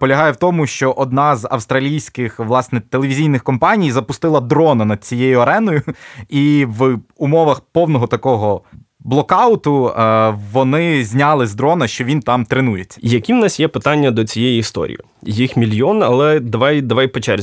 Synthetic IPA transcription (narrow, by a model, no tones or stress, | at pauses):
pɔlʲɐɦɑjɛwt̪ɔmʊʃt͡ʃɔʔɔd̪nɑzɐ̰wst̪ɾɐlʲijsʲkɪxʋlˠɑsnɛt̪elˠeʋʲizʲijnɪxkɔmpɑnʲijzɐpʊst̪ɪlˠɐd̪ɾɔnɐnɐd̪̚t͡sʲijejʊɐɾɛnɔjʊiʋumɔʋɐxpɔwnɔɦɔt̪ɐkɔɦɔ | blˠɔkɑʊt̪ʊ | ʋɔnɪzʲnʲɑlˠɪzd̪ɾɔnɐʃt͡ʃɔʋʲint̪ɑmt̪ɾenujet͡sʲːɐ̥jɐkʲiwnɑsʲjɛpɪt̪ɑnʲːɐd̪ɔt͡sʲijɛjiːst̪ɔ̰ɾʲḭjḭ | jixmʲilʲjɔnɐlˠɛd̪ɐʋɑjd̪ɐʋɑjpɔt͡ʃɛrzʲ